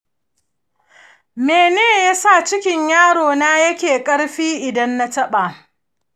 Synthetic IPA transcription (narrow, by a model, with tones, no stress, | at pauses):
meː˨neː˦ja˦sa˦˨t͡ʃɪ˦kʲɪ˦ɲjaː˦ɽoː˨naː˦jɐ˦kʲeː˨kʼɐ˦ɽɸiː˦ʔɪ˨dɐ˦nːa˦tɐ˦ɓaː˨